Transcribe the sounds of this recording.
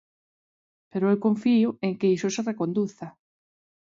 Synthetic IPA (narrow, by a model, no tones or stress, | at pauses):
peɾoewkõɱfiʊeŋkeisoserekond̪uθa